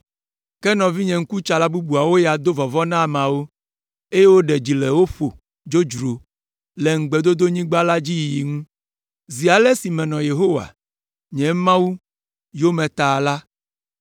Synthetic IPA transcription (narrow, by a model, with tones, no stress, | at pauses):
kɛ˦nɔ̃˨vi˦ɲɛ̃˨ŋ̩˦ku˦t͡ʃa˨la˦bu˦bu˨a˨wo˦ja˨d̪o˦vɔ˨vɔ˦nã˦˨m˨ã˨wo˦ | e˦je˦wo˦ɖɛ˨d͡ʑi˨lɛ˨wo˦ɸo˨ | d͡ʒo˦d͡ʒɾo˨ | le˨ŋ̩˨ɡ͡be˨d̪o˦d̪o˦ɲĩ˦ɡ͡ba˦la˦d͡ʑi˦jji˨ŋũ˦ | zi˨a˨lɛ˦si˨mɛ̃˨nɔ̃˨je˨ɦo˦wa̰˨ | ɲɛ̃˨˦mã˦wu˦ | jo˦mɛ̃˨t̪a˨la˦